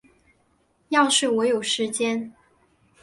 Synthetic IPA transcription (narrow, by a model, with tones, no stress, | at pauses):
jɑ˥˧ʊʂɻ̩˥˩wɔ˧˥jo˨˩ʊʂɻ̩˧˥t͡ɕjɛ˥n